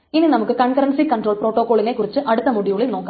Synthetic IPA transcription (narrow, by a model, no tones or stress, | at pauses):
ininɐmukːɨkɐɳkɐɾɐɳsikɐɳɖroːɭpro̞ːʈːoːkːo̞ːɭine̞kːurit͡ɕːɨʔɐɽut̪ːɐmuɽijuɭilnoːkːa